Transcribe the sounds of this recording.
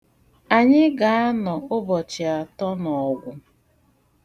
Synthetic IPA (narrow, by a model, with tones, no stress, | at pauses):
a˨ɲɪ˦ɡa˨a˦nɔ˨ʊ˦bɔ˨t͡ʃɪ˨a˨tɔ˦nɔ˨ɡʷʊ˦